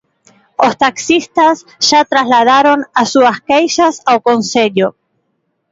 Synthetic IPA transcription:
ost̪aksist̪as | ʒ̥at̪ɾazlaðaɾonasuaskejʃasawkonseʎo

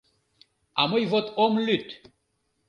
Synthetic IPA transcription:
a̰mɤjvot̪ʰomlyt̪

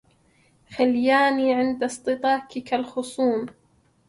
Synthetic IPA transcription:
xaljaːniːʕɪnd̪ast̪ˤɨt̪ˤɑːkɪkalxʊsˤuːm

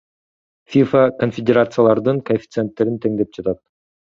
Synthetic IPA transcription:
fʲifakonfʲedʲeɾat̪sɨjalˠɑɾd̪ɯŋkofʲi̥t̪sɨent̪ːe̞ɾint̪ʰe̞ŋd̪e̞p̚d͡ʒɑt̪ɑt̪̚

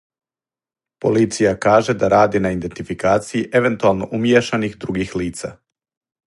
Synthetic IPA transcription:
po̞̰lit̪sijakaːʒed̪aɾaːd̪inaind̪ent̪ifikaːt̪sijiʔe̞ʋe̞nt̪ualˠno̞̰ʔumjeʃanixd̪ɾuɡixliːt̪sa̰

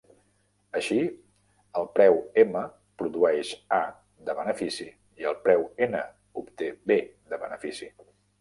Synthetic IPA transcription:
əʃi | əlˠpɾɛwemə | pɾuðuɛʃa | d̪əβənəfisi | iəlˠpɾɛwenə | upt̪ebed̪əβənəfisi

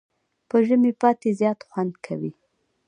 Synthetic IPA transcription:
pəʒəmepɑt̪ezjɑt̪xwand̪kʰa̰wi

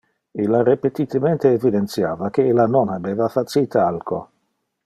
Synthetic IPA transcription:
ilːaɾepet̪it̪ement̪eːvid̪ent̪sjaːvakeelːanonabeːvafat͡ʃit̪ʰaalkʰo̰

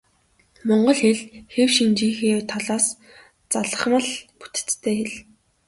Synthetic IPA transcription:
mɔɴɢɞ̆ɮxeɮxewʃint͡ɕiːxeːt̪ʰɔɮaːs | t͡saɮə̆χmə̆ɮpu̥t̪̆ʰt͡st̪ʰːeːxeɮ

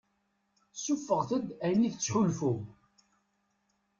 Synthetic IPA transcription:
sːufːəʁθəd̪æjnːiθət͡sːħulfum

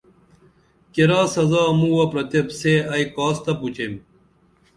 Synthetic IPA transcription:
keɾaːsɐzaːmuwɐpɾɐt̪epseɐikaːst̪ɐput͡ɕem

